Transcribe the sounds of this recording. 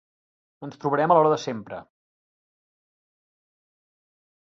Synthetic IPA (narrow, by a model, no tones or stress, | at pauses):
ənst̪ɾuβəɾɛməlɔɾəðəsempɾə̰